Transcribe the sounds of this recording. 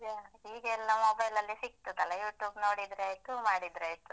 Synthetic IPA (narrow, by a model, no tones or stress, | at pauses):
eiːɡɛlːɐmɔːbɐjlɐlːisik̚t̪ut̪ɐlejuːʈjuːbno̞ːɽid̪ɾejt̪ːumaːɽid̪ɾeːjt̪ːu